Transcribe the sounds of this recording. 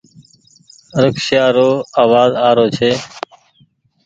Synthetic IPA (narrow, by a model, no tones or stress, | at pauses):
ɾəksjaːɾoːaːʋaːzaːɾoːt͡ʃʰeː